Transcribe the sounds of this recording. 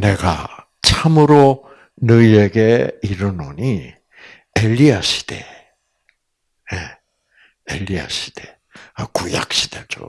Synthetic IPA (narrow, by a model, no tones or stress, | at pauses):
ne̞ɡa̰ | t͡ɕʰamɯɾo | nɯiɾeɡe̞iɾɯnoɲi | eʎːiaɕʰi̥d̥e̞ | je | eʎːia̰ɕʰi̥d̥e | akuja̰k̚ɕ͈i̥d̥e̞d͡ʑo̰